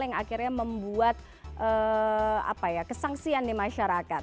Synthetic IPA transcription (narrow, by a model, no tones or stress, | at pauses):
jaŋakirɲaməmbuat̪̚ | ʔə | a̰pajakəsaŋsiandimaʃaɾakat̪̚